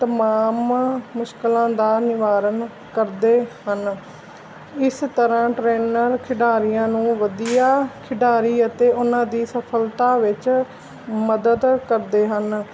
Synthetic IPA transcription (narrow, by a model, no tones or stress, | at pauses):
t̪əmaːmːʊʃkəlãːd̪aːnɪʋaːɾən | kəɾd̪eːhən | ɪst̪əɾãːʈɾeːnəɾkʰɪɖaːɾijãːnũːʋəd̪ijaːkʰɪɖaːɾiːət̪eːʔʊnãːd̪iːsəpʰəlt̪aːʋɪt͡ʃ | məd̪əd̪kəɾd̪eːɦən